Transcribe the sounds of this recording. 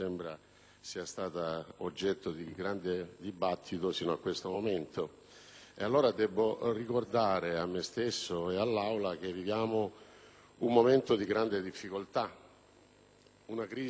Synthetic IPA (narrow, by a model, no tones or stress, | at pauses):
embɾa | siːast̪aːt̪aod͡ʒːɛt̪ːod̪iɡɾand̪ed̪ibat̪ʰːit̪osiːnoakːwest̪omoment̪ʰo | ḛalːoːɾad̪ɛbːorikord̪aːɾeamːest̪esːoealːawlak̟evːivjaːmo | umːoment̪od̪iɡɾand̪ed̪ifːikolt̪a | unakɾiː